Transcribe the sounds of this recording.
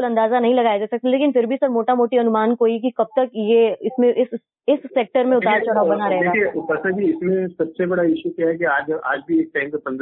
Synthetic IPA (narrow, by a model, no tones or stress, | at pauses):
ʊlɐ̃nd̪aːzanɐɦĩlɐɡaːjad͡ʒaːsɐk̚t̪eleːkɪnfɪɾbʱisɐɾmoːʈamoːʈiɐnʊmaːnkoːik̬ikɐb̚t̪ɐkjeɪsmẽʔɪs | ɪsːeːk̚ʈəɾmẽʊt̪aːɾt͡ʃʊɽ̤aːʋbɐnaɾɐɦeeːɡaiepɐsãd͡ʒiɪsmẽsɐbsebɐɽaɪʃukiaɦɛkiaːd͡ʒa̰ːd͡ʒbʱieːk̚ʈaːɪmkepɐ̃nd̪